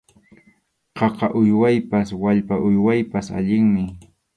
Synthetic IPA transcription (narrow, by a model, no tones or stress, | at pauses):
qɑqɑʔʊjwajpaswaʎpaʔʊjwajpasa̰ʎɪŋmɪ